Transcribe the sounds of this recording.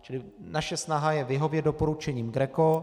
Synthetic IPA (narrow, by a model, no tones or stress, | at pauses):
t͡ʃɪlɪ | naʃɛsnaɦajɛvɪɦo̞vjɛdopo̞ɾut͡ʃɛɲiːmɡɾɛko